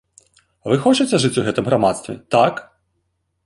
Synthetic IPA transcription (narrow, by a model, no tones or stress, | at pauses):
ʋɪxɔt͡ʃetʲːɛʐɪtʲʊɦɛt̪ɪmɦɾɐmɑt̪st̪ʋʲḭt̪ak